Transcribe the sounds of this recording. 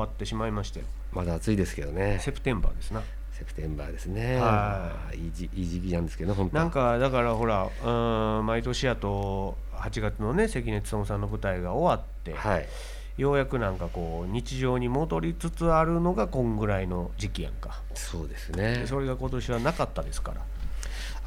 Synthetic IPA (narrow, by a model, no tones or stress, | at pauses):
at̪ːe̞ɕimaimaɕi̥t̪ejo | mad̪aːt͡sɨid̪e̞sɨ̥ke̞d̪o̞ne̞se̞pɯ̟t̪ẽ̞mba̰ːd̪e̞sɨna | se̞pɯ̟t̪ẽ̞mba̰ːd̪e̞sɨneha | iːiiːʑikʲinãnd̪esɨ̥ke̞d̪ohõnnãŋkad̪akaɾaɦo̞ɾaɯ̃mait̪o̞ɕijat̪o̞ | hat͡ɕiɡat͡sɨno̞ne̞se̞kʲine̞t͡sɨ̥sõ̞ɰ̃sãnːo̞bɯ̟t̪aiɡao̞βat̪ːe̞̰hai | jo̞ːjakɯ̟nãŋkako̞ːɲ̟it͡ɕiʑo̞ːɲ̟imo̞d̪o̞ɾʲit͡sɨt͡sɨaɾɯ̟no̞ɡakõ̞ŋɡɯ̟ɾaino̞d͡ʑikʲijã̰ŋka | soːd̪e̞sɨnedd̪eso̞ɾe̞ɡako̞t̪o̞ɕiβanakat̪ːad̪e̞sɨ̥ka̰ɾa̰